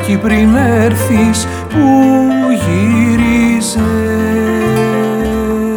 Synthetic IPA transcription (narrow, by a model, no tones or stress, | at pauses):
cipɾineɾθis | puʝiɾize